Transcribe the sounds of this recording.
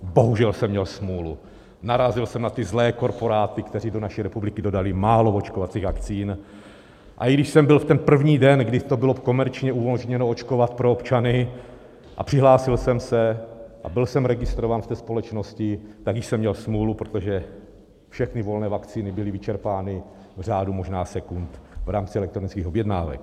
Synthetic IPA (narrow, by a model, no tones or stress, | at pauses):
bo̞ɦuʒɛlsɛmːɲɛlsmuːlṵ | naɾazɪlsɛmnat̪ɪzlɛːko̞ɾpo̞ɾaːt̪ɪkt̪ɛrido̞naʃiɾɛpublɪkɪdo̞dalɪmaːloot͡ʃkovat͡siːɣvakt͡siːn | ʔa̰iɡdɪʃsɛmbɪlft̪ɛnpr̩vɲiːdɛnɡdɪt̪o̞bɪlo̞ko̞mɛɾt͡ʃɲɛumoʒɲɛnoot͡ʃko̞vat̪pɾoopt͡ʃanɪ | ʔa̰pr̥ɪɦlaːsɪlsɛmsɛʔa̰bɪlsɛmɾɛɡɪst̪ɾovaːnft̪ɛːspo̞lɛt͡ʃno̞scɪt̪aɡjɪʃsɛmːɲɛlsmlulupɾot̪o̞ʒɛ | fʃɛxnɪvo̞lnɛːvakt͡siːnɪbɪlɪvɪt͡ʃɛɾpaːnɪ | vr̝aːdumo̞ʒnaːsɛkunt̪vɾaːmt͡sɪɛlɛkt̪ɾonɪt͡skiːxo̞bjɛdna̰ːvɛ̰k